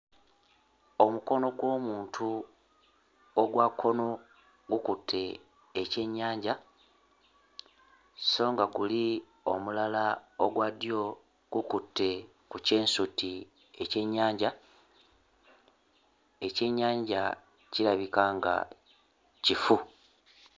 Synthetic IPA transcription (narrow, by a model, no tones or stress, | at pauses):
o̞muko̞no̞ɡwo̞ːmuːntʰu | oɡwakʰːo̞no̞ | ɡukutʰːe̞ː | ce̞ɲːaːɲɟa | so̞ːŋɡaɡuli | o̞̰mulalaoɡwadijo̞ | ɡ̥ukutːe̞ | kuce̞ːnsuti | e̞ce̞ɲːaːɲɟa | e̞ce̞ɲːaːɲɟa | ciɾaβikaŋɡa̰ | cifu